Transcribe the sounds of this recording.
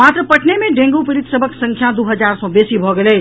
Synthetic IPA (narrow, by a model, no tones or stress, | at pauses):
mat̪ɾəpəʈʰnemẽɖẽŋɡupɪɾit̪səbʱəksə̃ŋkʰjad̪uɦəd͡ʒaɾsɔbesibʱɔɡelɛ